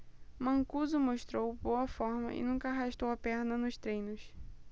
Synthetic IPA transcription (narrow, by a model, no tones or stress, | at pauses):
mɐ̃kuzʊmoʃt̪ɾowbowɐfɔɾmɐ̰ʔɪ̰nũkɐaɦaʃt̪owɐpɛɾnɐnʊst̪ɾẽj̃nʊs